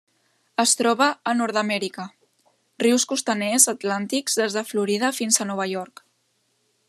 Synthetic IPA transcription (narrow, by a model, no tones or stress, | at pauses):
əst̪ɾɔβəːnɔɾt̪əmɛɾikə | riwskust̪ənezət̪lant̪ikz̥ðezðəfluɾiðəfinzənɔβ̞əjɔɾk